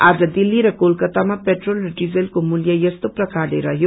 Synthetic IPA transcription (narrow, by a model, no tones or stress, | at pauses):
ad͡zʌd̪ilːiɾʌkolkʌt̪amapeʈrolrʌɖid͡zelkomuljʌjʌst̪oprʌkarleɾʌɦjo